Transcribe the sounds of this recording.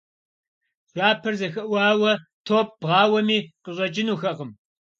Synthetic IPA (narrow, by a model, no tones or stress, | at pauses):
ɕʷaːpʰɐrzɐxɐʔwʷɑːwɐtʰoːp̚b̥ʁɑːwɐmiːqəɕʷʼɐt͡ʃʼɪnuːxɐqəm